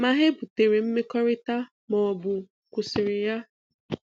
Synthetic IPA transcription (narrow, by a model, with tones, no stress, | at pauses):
ma˨ɦe˦bʊ˨te˨ɾe˨m̩˦me˦kɔ˦ɾɪ˦ta˦ | mɔ˨ɔ˨bʊ˨ | kʷʊ˨sɪ˨ɾɪ˨ja˦